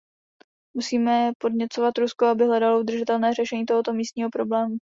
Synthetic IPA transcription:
musiːmɛpodɲɛt͡sovat̪ɾuskoabɪɦlɛdaloud̪r̩ʒɪt̪ɛlnɛːrɛʃɛɲiːt̪o̞ɦo̞t̪o̞miːst̪ɲiːɦo̞pɾo̞blɛːmu

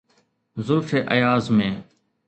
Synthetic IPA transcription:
zʊlfeːʔəjaːzmẽː

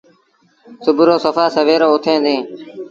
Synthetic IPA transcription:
sʊbʱɾoːsəfaːsəʋeːɾoːʊt̪ʰẽːd̪ẽː

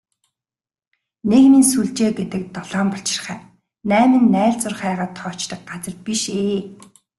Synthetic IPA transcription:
neɣmĭːnsuɮt͡ɕeːɡet̪ɘ̆k̚t̪ɔɮɔːmpɔɬt͡ɕɪ̥̆rχæː | næːmɘ̆nːæːɮt͡sʊrχæːʁaːt̪ʰːɔːt͡ɕt̪ə̆k̚ɢat͡sə̆rt̪̚piʃeː

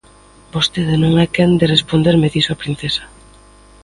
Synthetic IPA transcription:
bost̪eðenõŋɛkɛnd̪erespond̪eɾmeðisoapɾin̟θesḁ

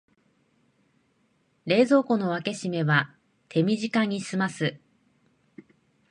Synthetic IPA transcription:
ɾe̞ːzo̞ːko̞no̞β̞ake̞ɕime̞βa | t̪ʰe̞mʲiʑikaɲ̟isɨmasɨ

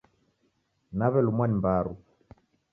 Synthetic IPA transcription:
naβɛlumwanimbaɾu

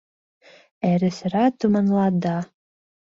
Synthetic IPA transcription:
æɾɘ̆s̆ɾɑt̪umɑnlˠɑd̪ɑ

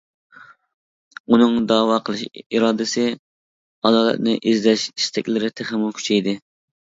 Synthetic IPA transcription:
unɨŋd̪ɑːwɑqʰəlˠɨʃiɾɑːd̪ɪsɪ | ɑd̪ɑːlˠɛ̰t̪̚nɪʔizlɛʃi̥st̪ʰɛkʲlɪɾɪt̪ʰɪχɪmukʲʰy̥t͡ʃʰɛjd̪ɪ

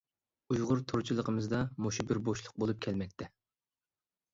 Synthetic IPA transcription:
ujʁʊɾt̪ʰʊɾt͡ʃʰilˠəqʰəmɨzd̪ɑmoʃubɪɾboʃlˠʊq̚bolˠup̚kʲʰɛlmɛk̚ʲt̪ʰɛ

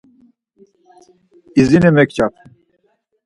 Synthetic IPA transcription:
izinemɛkt͡ʃap

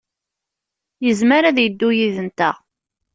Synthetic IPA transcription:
jəzməɾaðjəd̪ːujiðənt̪æ̰

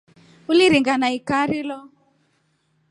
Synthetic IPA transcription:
uliɾiŋɡanaikaɾilɔ

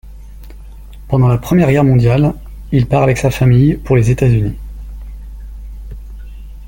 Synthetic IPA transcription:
pɑ̃d̪ɑ̃lapχəmjɛʁɡɛʁmɔ̃d̪jal | ilpaʁavɛksafamijpuʁlezet̪azyni

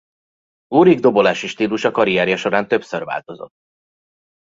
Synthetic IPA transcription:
uːɾiɡd̪o̞bo̞laːʃiʃt̪iːluʃɒkɒɾijaːɾijɒʃo̞ɾaːnt̪ø̞psørva̰ːlt̪o̞zo̞̰t̪ː

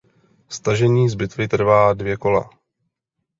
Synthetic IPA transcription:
st̪aʒɛɲiːzbɪt̪vɪt̪r̩vaːdvjɛko̞la̰

